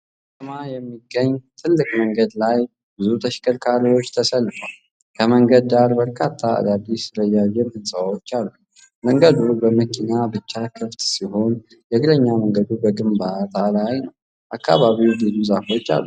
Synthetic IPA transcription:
tmajɛmːiɡːəɲːt̪ʰɨlːɨkʼməŋɡəd̪laj | bɨzut̪ʰəʃkʰəlkʰaɾiwo̞t͡ʃːt̪ʰəsəlːɨfal | kʰəməŋɡəd̪̚ːaɾbəɾkʰat̪ʰːaa̰d̪ad̪isɨləjajːɛmhɨnsʼawo̞t͡ʃːalːu | məŋɡəd̪ubəməkːinabɨt͡ʃːakʰəft̪siɦo̞n | jɛɡɨləɲːaməŋɡəd̪ubəɡɨmbat̪ʰalajnəw | ʔakʰːaβaβiwd̪ɨzuzafo̞t͡ʃːa̰lːu

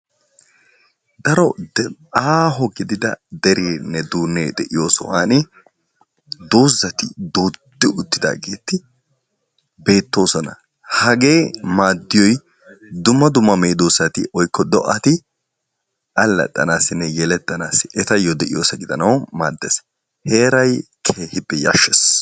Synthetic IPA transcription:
d̪ɐɾɔ | aːɦɔɡɪd̪ɪd̪ɐ̰d̪ɛɾeːnːɛd̪uːnːed̪ɛʔɪjo̞ːsɔ̰waːnɪ | d̪oːzːɐt̪ɪd̪oːd̪ːɪʊt̪ːɪd̪a̰ːɡeːt̪ːɪ | be̞ːt̪ːo̞ːsɔnɐ̰ | hɐɡe̞ːmaːd̪ːɪjɔj | d̪ʊmːɐd̪ʊmːɐmeːd̪oːsɐt̪ɪ̰ʔɔjkːɔd̪ɔʔɐt̪ɪ | ʔɐlːɐ̰t̪ʼːɐ̰naːsɪnːɛjɛlɛt̪ːɐnaːsɪʔɛt̪ɐjɔd̪ɛʔɪjoːsɐɡɪd̪ɐnɐwmaːd̪ːɛs | he̞ːɾɐjkʰeːhɪbɛja̰ːʃːɛs

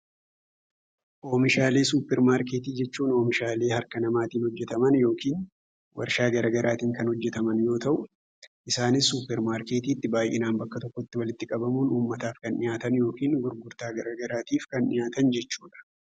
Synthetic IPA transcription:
ʔo̞ːmɪʃaːle̞ːsuːpːɛɾmaːɾke̞ːt̪iːd͡ʒɛt͡ʃːuːno̞ːmɪʃaːle̞ːhɐɾkɐnɐmaːt̪iːnhɔd͡ʒːɛt̪ɐmɐnjo̞ːkiːn | wʔɐ̰ɾʃaːɡɐɾɐɡɐɾʔaːt̪iːŋkɐnhɔd͡ʒːɛt̪ɐmɐnjo̞ːt̪ɐʔʊ | ʔɪsaːnɪsːuːpːɛɾmaːɾke̞ːt̪iːt̪ːɪbaːjʔḛːnaːnbɐkːɐt̪ɔkːɔɪt̪ːɪwɐlɪt̪ːɪkʼɐbɐmuːnuːmːɐt̪aːfkɐnnɪjaːt̪ɐnjo̞ːkiːnɡʊɾɡʊɾt̪aːɡɐɾɐɡɐɾaːt̪iːfkɐnnɪjaːt̪ɐnd͡ʒɛt͡ʃːuːᶑɐ̥

